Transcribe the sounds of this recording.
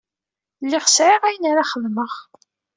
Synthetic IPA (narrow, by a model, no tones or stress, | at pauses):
lːɪʁəsʕɪʁæjənaɾaχəðməʁ